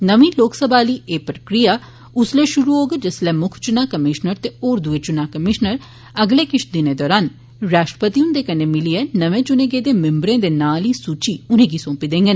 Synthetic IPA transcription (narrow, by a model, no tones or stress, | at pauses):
nəʋiːloːksəbʱaːliːʔeːpɾəkɾijaː | ʊsleːʃʊɾuɦoːɡed͡ʒɪslɛːmʊkʰt͡ʃʊnaːkəmɪʃnəɾt̪eoːɾd̪ʊeːt͡ʃʊnaːkəmɪʃnəɾ | əɡleːkɪʃʰd̪ɪneːd̪ɔːɾaːn | ɾaːʃʈɾə̥pət̪iːʊnd̪eːkəneːmɪliɛnəʋẽːt͡ʃʊneːɡeːd̪eːmɪ̃mbɾẽːd̪eːnaːliːsuːt͡ʃiːʊnẽːɡisõːpid̪ẽːŋɡen